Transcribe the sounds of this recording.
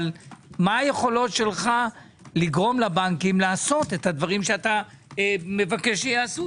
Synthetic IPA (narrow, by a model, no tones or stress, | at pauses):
lmaaje̞χo̞lo̞tʃe̞lχa | liɡʁo̞mlabaŋkimlaːso̞t̪ethad̪vaʁimʃeat̪a | eme̞vakeʃejaːsu